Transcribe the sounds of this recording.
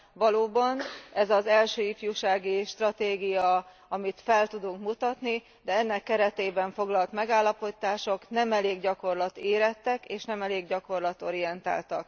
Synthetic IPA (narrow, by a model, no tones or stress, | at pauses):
vɒloːbɒnɛzɒzɛlʃøːifjuːʃaːɡiʃt̪rɒt̪eːɡijɒ | ɒmit̪fɛlt̪ud̪uŋkmut̪ɒt̪ni | d̪ɛɛnːɛkːɛɾɛt̪eːbɛɱfo̞ɡlɒlt̪mɛɡaːlːɒpo̞t̪aːʃo̞knɛmɛleːɡɟɒko̞rlɒt̪eːɾɛt̪ːɛkeːʃnɛmɛleːɡɟɒko̞rlɒt̪o̞̰ɾijɛnt̪a̰ːlt̪ɒk